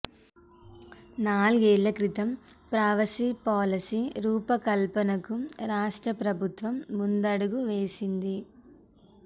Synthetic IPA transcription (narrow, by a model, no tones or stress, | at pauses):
naːlɡeːɭːɐkɾit̪ɐmpɾaːʋɐsipaːlɐsiɾuːpɐkɐlpɐnɐkuɾaːʂʈɾɐpɾɐbʱut̪ʋɐmːund̪ɐɽuɡuʋeːsind̪i